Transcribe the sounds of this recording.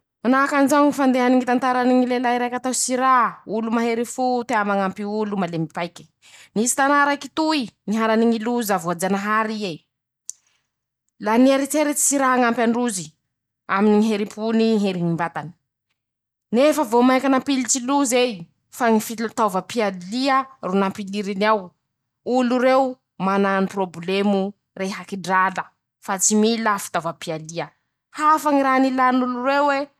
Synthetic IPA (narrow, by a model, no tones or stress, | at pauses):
manaɦakanzaŋifand̪eɦaniŋit̪ant̪aɾaniŋilelaiɾajkat̪awsiɾaɦulumaɦeɾifut̪eamaŋampiulumalemipajkʲi̥ | nisi̥t̪anaɾakit̪uiniɦaɾaniŋiluzavoad͡ʒanaɦaɾie | laniaɾit̪eɾet͡si̥siɾaɦaŋampʲaɳɖ͡ʐuzi | aminiŋiɦeɾipuniɦeɾiŋimbat̪ani̥ | nefəvomajkʲanampilit͡siluzej | faŋifilut̪avəpialiərunampiliɾiniaw | uluɾew | manaaniproblemu | reɦakiɖ͡ʐalə | fat͡similafi̥t̪avapialiə | hafaŋiɾanilanulurewwe